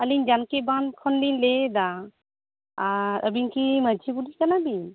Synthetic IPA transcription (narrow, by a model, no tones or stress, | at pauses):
əliɲd͡ʒankɛbankʰɔndinlɛd̪a | aɾəbiɲkiməd͡ʒʱibuɖikanabiɲ